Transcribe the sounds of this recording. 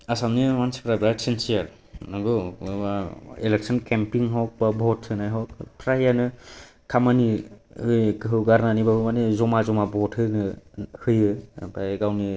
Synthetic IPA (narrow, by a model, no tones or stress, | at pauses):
asamnimansipʰɾabɾasensijaɾ | naɡɔaelek̚sʰɔnkempiŋɦɔk̚babʱɔtʰɯnajɦɔkpʰɾajanɯ | kʰamanihɯkɯɦɯwɡaɾnanibahɯmanezɔmazɔmabɔthɯnɯhɯjɯbaeɡawni